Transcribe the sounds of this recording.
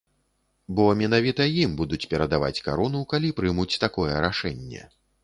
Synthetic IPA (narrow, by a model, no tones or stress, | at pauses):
bɔmʲɛn̪avʲit̪ɐjimbud̪ut͡sʲpʲɛɾɐd̪ava̰t͡sʲka̰ɾɔnukalʲipɾɨmut͡sʲt̪akɔjɛɾaʂɛnʲːɛ̰